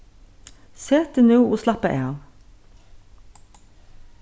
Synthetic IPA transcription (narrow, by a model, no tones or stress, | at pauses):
seːt̪ənʉːʔoːslɑpəʔḛːɑn